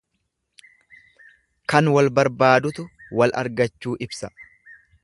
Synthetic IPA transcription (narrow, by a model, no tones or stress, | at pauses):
kɐnwɐlbɐɾbaːd̪ʊt̪ʊwɐlɐ̰ɾɡɐt͡ʃːuːʔɪbsɐ̥